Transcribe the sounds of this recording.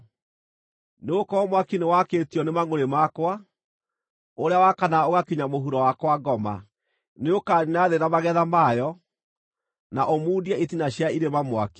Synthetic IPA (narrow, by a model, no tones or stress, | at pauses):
neokɔmwakinewakeːtiɔnemaŋoɾemakwa | oɾeawakanaoɣakiɲamoɦuɾɔwakwaɡɔma̰ | neokaninaðenamaɣɛðamajɔ | naʔomuːdiaitinaɕjaiɾemamwa̰ki̥